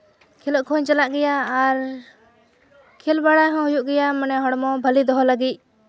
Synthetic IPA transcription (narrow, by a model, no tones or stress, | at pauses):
kʰilɔʔkʰɔɲt͡ʃalaʔɡɛjaːɾ | kʰilbaɽaɦɔ̃ɦujuʔɡɛjamənɛɦɔɽmɔbʱəlid̪ɔɦɔlaɡic̚